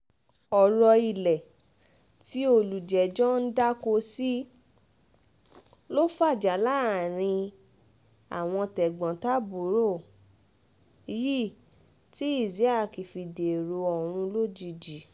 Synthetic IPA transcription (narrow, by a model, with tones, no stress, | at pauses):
ɔ˨ɾɔ˧i˨lɛ˨ | ti˦o˧˨lu˨d͡ʒɛ˨d͡ʒɔ˦n̩˦da˦ko˧si˦ | lo˦fa˦˨d͡ʒa˨˦la˦˨ɾ̃ĩ˧ | a̰˨w̃ɔ̃˧tɛ˨ɡ͡bɔ̃˨ta˦bu˨˦ɾo˦˨˧ | ji˦˨ | ti˦i˦˨zi˨˦a˦˨ki˨fi˧de˨ɾo˧ɔ˨ɾ̃ũ˧lo˦d͡ʒi˧d͡ʒi˨˦